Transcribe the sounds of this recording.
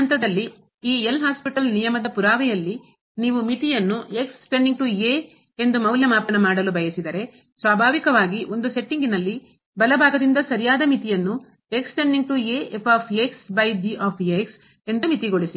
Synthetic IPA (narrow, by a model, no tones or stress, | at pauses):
ɐnt̪ɐd̪ɐlːi | iːelɦaːspiʈɐlnijɐmɐd̪ɐpuɾaːʋɛjɐlːi | niːʋumit̪ijɐnːue̞ksʈeɳɖiŋʈuje | e̞nd̪umɐwljɐmaːpɐnɐmaːɽɐlubʱɐjɐsid̪ɐɾe̞ | sʋaːbʱaːʋikɐʋaːɡiʔo̞nd̪use̞ʈːiŋɡinɐlːi | bɐlɐbʱaːɡɐd̪ind̪ɐsɐɾijaːd̪ɐmit̪ijɐnːu | e̞ksʈeɳɖiŋɡ̚ʈujeepʰaːpʰeksbɐjɖiaːpʰeks | e̞nd̪umit̪iɡo̞ɭisi